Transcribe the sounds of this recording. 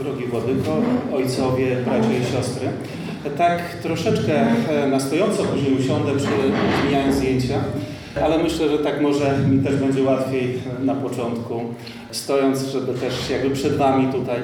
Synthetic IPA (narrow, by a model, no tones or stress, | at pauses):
d̪ɾɔɡʲivwɔd̪ɘkɔɔjt̪sɔvʲjɛbɾat͡ɕaiɕɔst̪ɾɘ | t̪ak | t̪ɾɔʂɛt͡ʂkɛnast̪ɔjɔnt̪sɔpuʑɛmuɕɔnd̪ɛpʂɘzmʲiɲajɔ̃nzd̪ʲjeɲt͡ɕa | alɛmɘɕlɛʐɛt̪akmɔʐɛmt̪ɛʐbɛɲd͡ʑɛwat̪fʲjejnapɔt͡ʂɔnt̪ku | st̪ɔjɔnt̪sʐɛbɘt̪ɛʂjaɡ̚bɘpʂɛd̪namʲit̪ut̪aj